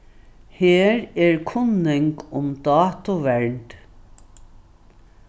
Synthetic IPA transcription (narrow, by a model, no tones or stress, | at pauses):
heːɾɛɹkʰʊnːɪŋkʊmd̪ɑːt̪ʊʋɛɹt̪